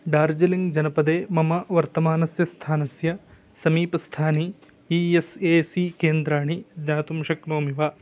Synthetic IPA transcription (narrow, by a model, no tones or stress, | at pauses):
ɖaːɾd͡ʒɐliŋɡd͡ʒɐnɐpɐd̪eːmɐmɐʋɐɾt̪ɐmaːnɐsjɐst̪ʰaːnɐsjɐ | sɐmiːpɐst̪ʰaːni | ieseːsikeːnd̪ɾaːɳid͡ʒnaːt̪umʃɐknoːmiʋaː